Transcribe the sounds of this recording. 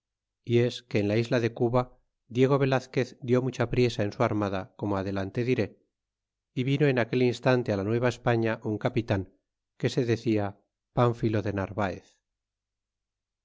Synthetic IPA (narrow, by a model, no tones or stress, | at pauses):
ie̞ske̞ːnlaizlaðe̞kuβa | d̪je̞ɣ̞o̞βe̞laθke̞θd̪jo̞mut͡ʃapɾje̞saensuaɾmaðako̞moaðe̞lant̪e̞ðiɾe̞ | iβino̞enake̞linst̪ant̪e̞alanwe̞β̞aespaɲaʔuŋkapit̪aŋ | ke̞se̞ðe̞θia | paɱfilo̞ðe̞naɾβaḛθ